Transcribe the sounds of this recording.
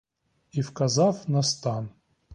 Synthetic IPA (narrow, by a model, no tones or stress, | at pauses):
ifkazafnɐst̪an